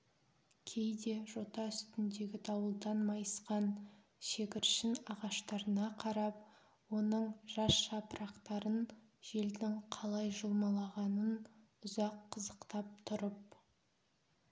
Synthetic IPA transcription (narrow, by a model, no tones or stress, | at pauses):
kʲʰe̞jd̪e̞ʒo̞t̪ɑʏst̪ɪnd̪e̞ɡʲɪt̪ʰɑwəlˠd̪ɑnmɑjəsqɑn | ʃe̞kʲɪɾʃɪnɑʁɑʃt̪ɑɾənɑqʰɑɾɑp̚ | wo̞nəɴʒ̥ɑsʃɑpəɾɑqt̪ɑɾən | ʒe̞ld̪ɪŋqʰɑlˠɑjʒəlˠmɑlˠɑʁɑnən | ʊzɑqʰːəzəqt̪ɑp̚t̪ʰʊɾəp̚